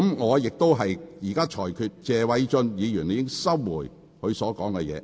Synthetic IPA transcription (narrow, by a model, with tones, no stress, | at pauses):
mŋɔː˨˧jɪ˨k̚t̪o˥wɦɐ˨jjiː˨˩kaː˥t͡ʃʰɔː˨˩jkʰyː˨˧t̚t͡sɛː˨wɐ˨˧˥jt͡ʃɵ˧njiː˨˧jyː˨˩ne˨˧jɪ˥ŋsɐ˥wwuː˨˩j | hɵ˨˧ɥsɔː˨˥kɔː˨˥ŋkɛ˧jɛ̰ː˨˧